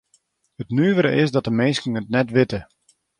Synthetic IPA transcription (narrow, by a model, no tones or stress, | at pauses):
ətnyəʋəɾəʔɪsdɔtəmeːskəŋətnɛtʋɪtə